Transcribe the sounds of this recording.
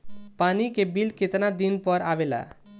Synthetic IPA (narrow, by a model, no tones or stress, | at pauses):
paːnikebilkɪt̪nad̪inpəɾaʋela̰